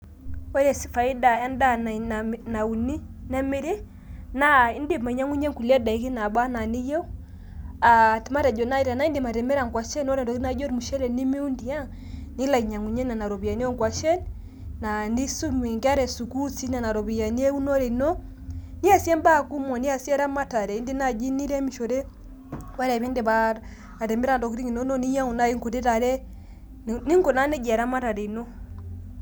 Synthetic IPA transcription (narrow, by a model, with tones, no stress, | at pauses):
ɔ˦ɾɛ˨si˨fa˨i˦da˨ja˦nda˦n˨na˨u˨ni˦nɛ˦mi˦ɾe˦ | na˦i˦ndi˨ma˨i˨ɲa˦ŋu˦ɲɛ˦ŋku˨lɛ˦da˨i˦ki˦na˨ba˦na˨ni˦jɛ˦u˦ | a˨ti˨ma˦ɾɛ˨d͡ʒɔ˨na˦i˦ɾa˨na˦i˦ndi˨ma˨ɾɛ˨mɛ˦ɾa˨ŋɡwa˨ʃɛ˦nɔ˦ɾɛ˨dɔ˨ki˦na˦d͡ʒɔ˦ɾi˨mu˨ʃɛ˦ɾɛ˨ni˦mi˦u˦ndi˨a˦ | ni˦la˨i˨ɲa˨ŋu˨ɲɛ˦na˨na˨ɾɔ˨βi˨ja˨ni˦ɔ˦ŋɡwa˨ʃɛ˦n | na˨ni˦su˦mwɛ˨ŋɡa˦ɾɛ˨su˨ku˦si˦na˨na˨ɾɔ˨βi˨ja˨ni˦ɛ˦u˦nɔ˦ɾɛ˨nɔ˦ | ni˦a˨sjɛ˦mba˦ku˦mwɔ˨ni˦a˨sjɛ˦ɾa˦ma˦ta˨ɾɛ˨i˦nde˦na˨d͡ʒi˦ni˦ɾɛ˦mi˨ʃɔ˨ɾɛ˦ | wa˦ɾa˨βɛ˦nde˨βa | a˨tɛ˨mɛ˦ɾa˨ndɔ˨ki˨ɾi˦ŋi˨nɔ˦nɔ˦ni˦ja˦ŋu˨na˦i˦ŋko˨te˦ta˨ɾɛ˦ | ni˦ŋɡɔ˨na˦nɛ˦d͡ʒa˨ɾa˦ma˦ta˨ɾɛ˨i˨nɔ˦